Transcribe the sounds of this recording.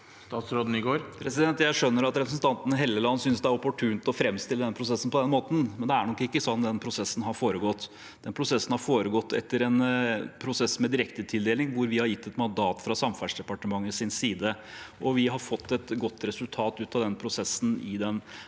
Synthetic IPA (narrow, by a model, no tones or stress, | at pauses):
st̪ɑːt̪sɾoːd̪n̩ɪɡoːɾpʰɾɛsɪd̪ɛnt̪jæɪʂœnːəɾɑt̪ɾɛpɾəsn̩t̪ɑnt̪ənɦeːlːəlɑnːəsʏnsd̪ɛæɾʊpʊʈʰʉːnt̪ɔfɾɛmst̪ɪləd̪ɛnəpɾʊsɛsːn̩pɔd̪ɛnmoːt̪n̩mɛnd̪ɛæɳɔkːɪkːəsɔnːd̪ɛnpʰɾʊsɛsːn̩ɦɑɾfoːɾəɡɔt̪ː | d̪̥ɛnpʰɾʊsɛsːən̩hɑɾfoːɾəɡɔt̪ːɛ̰t̪ːəɾɛnpʰɾʊsɛsmɛd̪ɪɾɛkt̪ət̪ʰɪld̪eːlɪŋʋʊɾʋɪhɑɾjɪt̪ːɛt̪mɑnd̪ɑːt̪fɾɑsɑmfæʂd̪ɛpɑʈəmɑŋːəsɪnsiːd̪əʔɔʋɪɦɑɾfɔt̪ːɛt̪ɡɔt̪ːɾɛsʉlt̪ʰɑːt̪ʉːt̪ɑʋd̪ɛnpʰɾʊsɛsːn̩ɪ̰d̪ɛn